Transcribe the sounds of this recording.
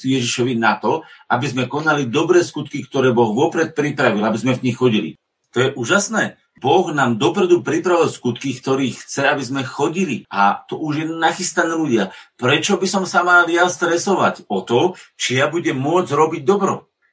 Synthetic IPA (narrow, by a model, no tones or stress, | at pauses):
jɛʒiʃɔʋinat̪ɔabizmɛkɔnalid̪ɔbɾɛːskut̪kikt̪ɔɾɛːbɔɣʋɔpɾɛt̪̚pɾipɾaʋilabizmɛvɲixxɔɟilḭ | t̪ɔjɛʔuːʒasnɛː | bɔɣnaːmd̪ɔpɾɛd̪upɾipɾaʋilˠskut̪kikt̪ɔɾiːxt͡sɛabizmɛxɔɟilia̰t̪ɔʔuʒjɛnaxist̪anɛluɟɪapɾɛt͡ʃɔbisɔmsamaljast̪ɾɛsɔʋacɔt̪ɔt͡ʃijabuɟɛmːʊɔd͡zɾɔbiɟ̚d̪ɔbɾɔ